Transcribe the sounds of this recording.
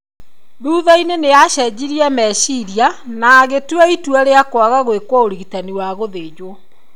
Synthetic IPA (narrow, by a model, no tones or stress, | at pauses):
ðuːðaineneaʃɛd͡ʑiɾiɛmɛʃiɾianaɣetwɛitwaɾeakwaɣaɣwekwɔoɾiɣitaniwaɣoðeːd͡ʑwɔ